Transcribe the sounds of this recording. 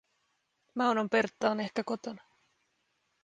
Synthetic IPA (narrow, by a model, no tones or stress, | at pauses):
mɑwnompert̪ːɑːne̞hkæko̞t̪onɑ